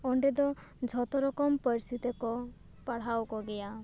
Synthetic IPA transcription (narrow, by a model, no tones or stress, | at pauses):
ɔɳɖɛd̪ɔ | d͡ʒʱɔt̪ɔɾɔkɔmpəɾsit̪ekɔ | paɽ̤awkɔɡɛja